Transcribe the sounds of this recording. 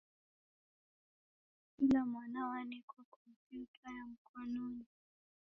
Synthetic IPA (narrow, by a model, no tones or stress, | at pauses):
kilamwanawanikwakɔmpjutʰajam̩kɔnɔni